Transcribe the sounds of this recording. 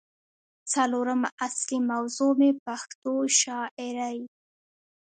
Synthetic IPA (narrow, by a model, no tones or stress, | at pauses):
t͡saloɾəmaʔaslimawzomepaxt̪oʃɑʔɪɾaj